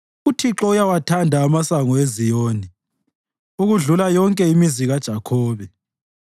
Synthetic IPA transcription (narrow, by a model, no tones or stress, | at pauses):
utʰiǁɔujawatʰandʱaːmasaŋɔezijoːni | uɣuɮulajɔŋkʼɛimiziɣad̥ʒ̥ʱakʰɔːβɛ